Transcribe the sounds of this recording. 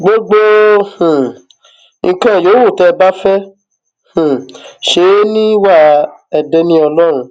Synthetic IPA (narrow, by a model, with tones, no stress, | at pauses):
ɡ͡bo˦ɡ͡bo˦hũ˨ | ĩ˧kã˦˨jo˨˦wo˦˨tɛ˧ba˦fɛ˦ | hũ˨ʃe˨˦nĩ˦wa˦˨ɛ˧dɛ˧nĩ˦ɔ˧lɔ˦ɾ̃ũ˧